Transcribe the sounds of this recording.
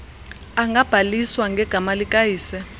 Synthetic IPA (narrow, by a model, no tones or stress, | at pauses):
aŋɡʱab̥ʱaliswaŋɡʱɛɡ̥ʱamalikʼajiːsɛ